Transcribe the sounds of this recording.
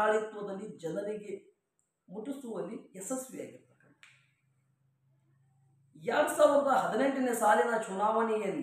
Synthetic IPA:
aːɭit̪ʋɐd̪ɐlːid͡ʒɐnɐɾiɡe | muʈːusuʋɐlːiesɐsʋija̰ːɡiɾt̪ɐkɐɳ | jaːɽusaːlɐnd̪ɐɦɐd̪ineɳʈɐnesaːlinɐt͡ʃunaːʋɐɳijɐn

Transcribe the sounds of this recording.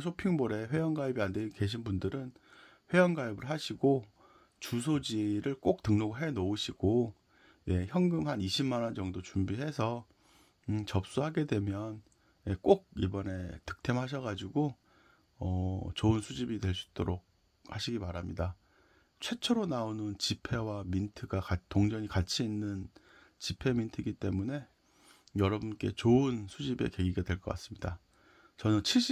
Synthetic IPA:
sʰopʰiŋboɾe̞ɸwe̞jʌnɡaibiandweinke̞ɕ̬ʰinbundɯɾɯn | ɸwe̞jʌnɡaibɯɭɦaɕʰiɡo | t͡ɕus̬ʰod͡ʑiɾɯɭk͈ok̚tɯŋnoɡɯɭɦe̞nouɕʰiɡ̥o | je̞çjʌŋɡɯmhaniɕʰimːanʌnd͡ʑʌŋdot͡ɕumbiɦe̞sʰʌ | t͡ɕʌp̚s͈uɦaɡe̞dwe̞mjʌn | je̞k͈ok̚ibʌne̞tɯ̥k̚tʰemɦaɕ̬ʰʌɣad͡ʑiɡo | ʌt͡ɕoɯnsʰud͡ʑibidwe̞ɭs͈u̥i̥t͈o̰ɾok̚ | haɕʰiɡimaɾamɲida | t͡ɕʰwe̞t͡ɕʰʌɾonaonɯnt͡ɕipʰe̞wamintʰɯɡakatoŋd͡ʑʌɲikat͡ɕʰiːnːɯnt͡ɕipʰe̞mintʰɯɡit͈e̞mune̞ | jʌɾʌbunk͈e̞̰t͡ɕoɯnsʰud͡ʑibe̞̰ke̞ɡiɡadwe̞ɭk͈ʌk͈a̰s͈ɯ̥mɲida | t͡ɕʌnɯnt͡ɕʰiɭɕ͈i

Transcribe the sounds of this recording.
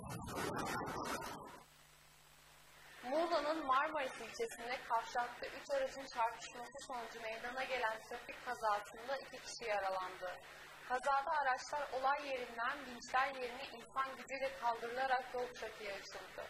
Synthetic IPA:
mulˠanɯnmaɾmoɾisilʲt͡ʃʰe̞sind̪ɛkʰafʃak̚t̪ˠɯʔyt͡ʃaɾad͡ʒɯnt͡ʃʰaɾt̪ʰɯ̥ʃmasɯso̞nud͡ʒume̞jd̪anaɟe̞lʲænt̪ʰɾafikʰːazaːsɯnd̪aicʰicʰi̥ʃijaɾalˠand̪ɯ | kʰazaːd̪aːɾat͡ʃlˠaɾo̞lˠajːe̞ɾind̪ænbint͡ʃlʲæɾje̞ɾiniʔinsanɟibyjlʲɛkʰalˠd̪ɯɾɯlˠaɾak̚jolˠuʃakʰɯjaɯt͡ʃɯlˠd̪ɯ̰

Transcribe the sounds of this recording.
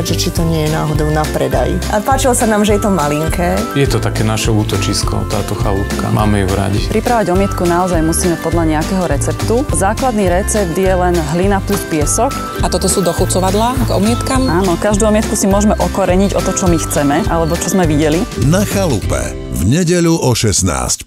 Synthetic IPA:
ʒɛt͡ʃit̪ɔɲɪɛjɛna̰ːɦɔd̪ɔʊnapɾɛd̪a̰jḭʔapaːt͡ʃilɔsanaːmʒɛjɛt̪ɔmaliŋkʰɛːjɛt̪ɔt̪akɛːnaʃɛuːt̪ɔt͡ʃiskɔ̰t̪a̰ːt̪ɔxalṵpka̰mʔa̰ːmɛjuɾa̰ɟipɾipɾaʋaɟɔmɪɛt̪kunaɔzajmusiːmɛpɔd̪lʎaɲɛakɛːɦɔɾɛt͡sɛpt̪uzaːklad̪niɾɛt͡sɛb̚d̪jɛlɛnɦlinaplutpɪɛsɔk | at̪ɔt̪ɔsuːd̪ɔxut͡sɔʋad̪laɡɔ̰mɪɛt̪kamaːnɔkaʒd̪uːɔmɪɛt̪kusimʊɔʒmɛʔɔkɔɾɛɲiɟɔt̪ɔt͡ʃɔmixt͡sɛmɛʔalɛbɔt͡ʃɔzmɛʋiɟɛlinaxalupɛ̰ | vɲɛɟɛʎuʔɔʃɛsna̰ːsc

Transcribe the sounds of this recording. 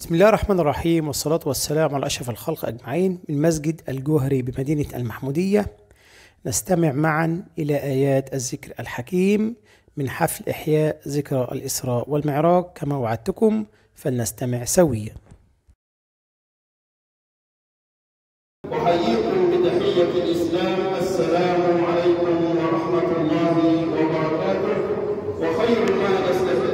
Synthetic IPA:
bbɪsmɪlːæːhɑrˤːɑħmæːnɑrˤːɑħiːmwɑsˤːɑlɑːt̪wasːælæːmʕalʔæʃɾˤɑfalxɑlqʔæ̰ɡmaʕiːnmɪnmæs̬ɡɪd̪ʔælɡʊɦɾibɪmæd̪iːnaʔæ̰lmaħmuːd̪ɪjːa | nast̪amɪʕmaʕanʔɪlæːʔæːjæːt̪ʔæzːɪkɾælħakiːmː | ɪnħaflʔɪ̰ħjæːʔzɪkɾˤʔæ̰lʔɪsɾˤɑːʔwɪlmɪʕɾˤɑːq̚kæmæːwaʕad̪̚t̪ʊkʊm | fanast̪amɪʕsawɪjːa | wɪħajiːkʊmmɪd̪aħɪjːafɪlʔɪslaːmʔasːalaːmʕalajkʊmwɑɾˤɑħmaɑlˤːɑːhwɑbɑɾˤɑkaːt̪ʊ | fɪxajɾmaːjast̪afi

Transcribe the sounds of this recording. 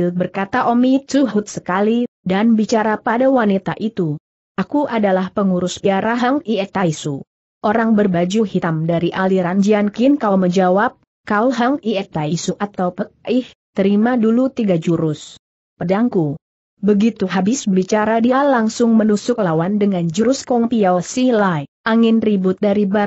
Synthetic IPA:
lbərkat̪aʔomit̪uɦut̪̚sə̥kalidanbit͡ʃaɾapadawanit̪aʔit̪u | ʔakuʔadalahpəŋuɾʊsbiaɾaɦaŋiɛt̪aisu | ʔoɾaŋbərbad͡ʒuhit̪amdaɾiʔaliɾand͡ʒiankinkaməɲd͡ʒawap̚ | kauɦaŋiɛt̪aisuʔat̪awpək̚ɪht̪əɾimadulut̪iɡad͡ʒuɾʊs | pədaŋku | bəɡit̪uɦabɪsbəbit͡ʃaɾadialaŋsʊŋmənusʊk̚lawandəŋand͡ʒuɾʊskɔŋpiaosilajʔaŋɪnribʊt̪̚daɾiba

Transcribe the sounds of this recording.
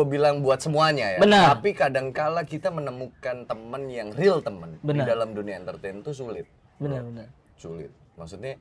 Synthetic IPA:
bilaŋbuat̪̚səmuaɲajabənapikadaŋkalakit̪amənəmukant̪əmənjaŋrɪlt̪əmənbəidalamduniaɛnt̪ərt̪ɛnt̪us̬ulɪt̪̚ | bənəən | sulɪ̰t̪̚ | maksut̪̚ɲa

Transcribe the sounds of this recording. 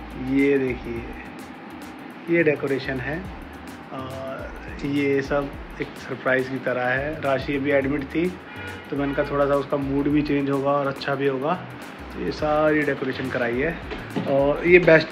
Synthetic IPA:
jed̪eːkʰie | jeɖeːkoːɾeːʃənɦɛː | jesɐb | eːksɐɾpɾaːɪzkit̪ɐɾaɦɛɾaːʃiebʱiɛːɖmɪʈt̪ʰi | t̪omɛ̃nkat̪ʰoːɽasaʊskamuːɖbʱit͡ʃẽːnd͡ʒɦoːɡaɔːɾɐtːʃʰabʱiɦoːɡaː | t̪o̰jḛsaːɾiɖeːkoːɾeːʃənkɐɾaːiɦɛː | ɔːɾjebɛːsʈ

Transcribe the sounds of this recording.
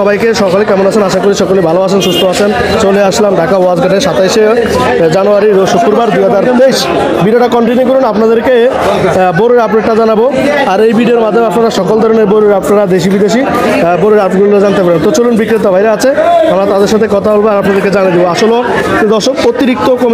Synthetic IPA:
ɔbajkeʃɔkalekɛmonat͡ɕʰenaʃakoɾiʃɔkolibʱaloat͡ɕʰenʃust̪ʰoat͡ɕʰen | t͡ɕoleaʃlamɖakawad͡ʑɡaʈeʃat̪ajʃe | d͡ʑanuaɾid̪oʃot̪pːuɾbaɾd̪ujɦad͡ʑaɾd̪ejʃ | biɖioʈakɔɳʈinok̬oɾunapnad̪eɾke | boɾeɾapɖeʈʈad͡ʑanabo | aɾejbiɖioɾmad̪ʱːomeapnaɾaʃɔkold̪ʱɔɾoneɾboɾuɾapnaɾad̪eʃ̬ibid̪eʃi | boɾeɾapɡulɾad͡ʑant̪epaɾet̪ot͡ɕolunbikɾit̪abʱajɾeat͡ɕʰeamɾat̪ad̪eɾʃat̪ʰekɔt̪ʰabolbeaɾapnad̪eɾked͡ʑanijd̪iboaʃolod̪ɔɾʃokot̪iɾik̚t̪okom

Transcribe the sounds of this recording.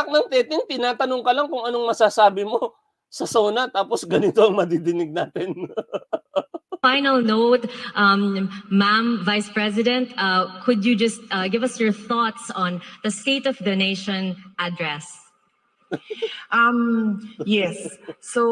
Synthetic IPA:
k̚nɐŋt̪ɛːt̪ɪŋt̪ɪnaːt̪ɐnoŋkɐlaŋkʊŋɐnoŋmɐsasaːbɪmo̞ | sɐsoːnɐt̪aːposɡɐnɪt̪o̞ɐŋmɐd̪id̪ɪnɪɡ̚naːt̪ɪn | fajnɐlˠnoʊt̪̚ʔɐmmãmvajspɹɛsɪd̪ɛ̃nt̪ɐkʰʊd̪jud͡ʒɐst̪̚ʔɐɡɪvɐsjɔɹθɔt̪sɔ̃nð̥ɐst̪eɪt̪ɔvd̪ɐneɪʃɔ̃nʔad̪ɹɛs | ʔɐmjɛsːo

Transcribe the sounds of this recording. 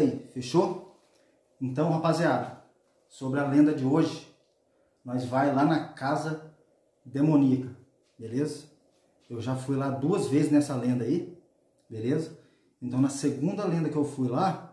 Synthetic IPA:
ifeʃo | ẽnt̪ɐ̃w̃ɦapaziad̪ʊ | sobɾɪɐlẽnd̪ɐd͡ʒɪoʒɪ | nɔjzvajlanɐkazɐ | d̪emõnikɐ | belezɐ | ewʒafujlad̪uɐzvezɪznɛsɐlẽnd̪ɐi | belezɐ | ẽnt̪ɐ̃w̃nɐseɡũnd̪ɐlẽnd̪ɐkɪewfujla

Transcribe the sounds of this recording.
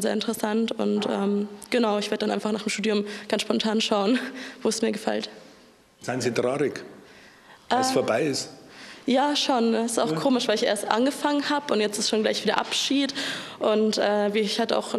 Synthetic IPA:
zeːɐʔɪntəʁəsantʊ̰ntʔɛ̰ːmɡ̥ənaʊɪçveːɐdədanʔa̰ɪnfaχnaːχdemʃtuːdiʊmɡ̥ansʃpɔntʰaːnʃaʊənvoːɛsmiːɐɡəfɛ̰lt | z̥aɪnzidʁaːʁɪk | ʔɛːsfoːɐbaɪɪsjaːʃoːnsɪ̥staʊxkʰoːmɪʃv̥aɪlɪçʔḛːɐstʔa̰nɡəfaŋənhaːbəʊntjɛt͡stɪstʃoːnɡlaɪçv̥iːdɐ̰ʔa̰pʃiːtʔʊntʔɛːviçhatəa̰ʊx

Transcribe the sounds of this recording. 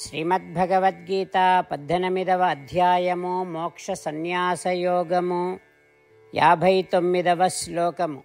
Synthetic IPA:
ʃɾiːmɐt̪̚bʱɐɡɐʋɐt̪̚ɡiːt̪aːpɐd̪ʱːɐnɐmid̪ɐʋɐːd̪ʱjaːjɐmumoːkʂɐsɐnjaːsɐjoːɡɐmu | jaːbʱɐjt̪omːid̪ɐʋɐsloːkɐmu

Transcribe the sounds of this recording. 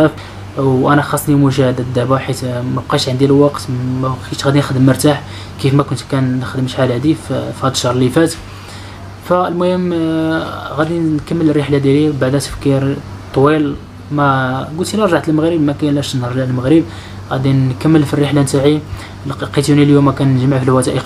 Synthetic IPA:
æf | wʔænæxɑsˤnimuʒæhd̪æd̪ːæbaħit̪mæb̚qiʃʕənd̪illwɑqt̪mæqit̪ɣæd̪inxəd̪əmːəɾt̪aħ | kifmækʊnt̪kænːəxd̪əmʃħalhæd̪iffhæd̪əʃːɑhɾˤlifæt̪ | fæəlmʊhəm | ɣæd̪inkəmːələrːəħlad̪jælibaʕd̪æt̪ə̥fkiɾ | t̪ˤːwil | mæɡʊlt̪ilæɾˤʒaʕt̪əlməɣɾəbmækænlæʃnhəɾˤlælməɣɾəb | ɣæd̪inkəmːəlfirːiħlant̪aʕi | lqit̪uniljumːækænːʒmʕfilwæt̪æʔə

